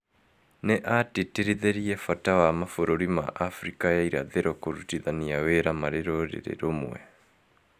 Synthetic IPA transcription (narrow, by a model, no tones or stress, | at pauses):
nɛʔatitiɾiðeɾijɛfatawamafoɾoɾima̰ʔafɾikajaiɾa̰ðeɾʔɔkoɾutiðanijaweɾamaɾeɾoɾɛ̰ɾḛɾomṵɛ̰